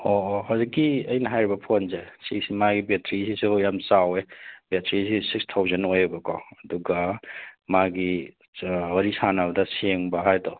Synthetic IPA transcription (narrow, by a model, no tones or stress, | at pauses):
oɦawzikːiɐjnɐɦajɾibɐpʰonsesiksimaɡibetʰɾisisujamsawebetʰɾisisikstʰawzenojebɐko̰ɐduɡamaɡi | wɐɾisanabɐdɐseŋbɐɦajto